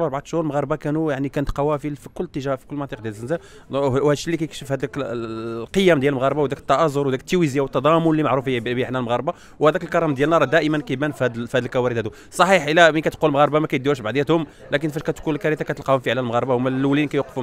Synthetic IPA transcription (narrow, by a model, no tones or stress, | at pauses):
ɑɾˤbʕat̪ʃhʊɾəlmɣɑɾˤbɑkænujaʕnikænət̪qɑwæfifikʊlːt̪ːəʒæʔfi̥kʊlːmɑnɑt̪ˤiq̚d̪jælzənzæ | whæd̪ʃːilːikæjəkʃəfhæd̪æklqəjːæmd̪jælmɣɑɾˤbawd̪ækə̥t̪ːɑʔɑzˤʊɾwd̪ækət̪ːiwizjawət̪ːɑd̪ˤɑmʊnlimaʕɾufəjbəħnælməɣɑɾˤba | whæd̪ækəlkɑɾˤɑmd̪jælnɑɾˤɑd̪æʔəmənkæjbænfhæd̪fhæd̪əlkæwæɾid̪hæd̪u | sˤɑħiħʔəlːæməkæt̪qulmɣɑɾbamækæjd̪ːuɾʃbaʕd̪jæt̪hʊm | lækənfæʃkæt̪kunlkæɾit̪akæt̪əlqɑhʊmfiʕlælmɣɑɾˤbamælːulinkæjwqəfhʊm